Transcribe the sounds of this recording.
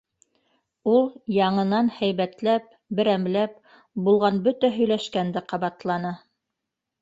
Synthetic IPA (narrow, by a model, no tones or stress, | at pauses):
ulˠjɑɴɤ̆nɑnhæjβæt̪læp̚ | bɘ̆ɾæmlæp̚ | bulˠʁɑnbɵt̪æɦɵ̆jlæʃkænd̪ɘqɑβɑt̪lˠɑnɤ